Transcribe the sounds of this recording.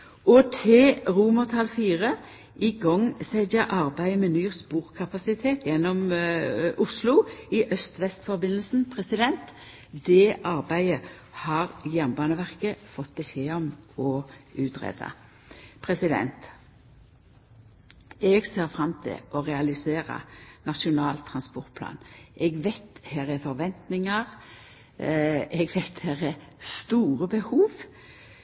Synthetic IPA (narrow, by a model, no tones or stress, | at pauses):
ɔt̪ʰɪʁuːmʊt̪ʰɑlfiːʁə | ʔɪɡɔŋːsæɪd̪əʔɑʁbæɪəmɛnyːspuːʁkʰɑpɑsɪt̪ʰeːt̪jɛnːɔm | ʔʊslʊiʔœst̪ʋɛst̪fɔʁbɪnəl̩sn̩pʰʁɛsɪd̪ɛnt̪ | d̪ɛʔɑʁbæɪəhɑːʁjæʁmbɑːnəʋæʁkəfɔt̪̚bɛʃeːɔmɔʉːt̪ʁɛ̰d̪ɑ̰ | pʰɾɛsɪd̪ɛ̰nt̪ | ɛɡseːʁfɾɑmt̪ʰɪ̰lʔɔʁɛɑlɪseːʁɑ̰nɑʃʊnɑːlt̪ʰɾɑnspɔʁt̪̚pʰlɑ̰ːnʔɛɡʋæɪt̪hæːʁɛfɔɾʋɛnt̪nɪŋɑʁ | ʔɛɡʋæɪt̪hæːʁɛst̪uːʁəbəhuːʋ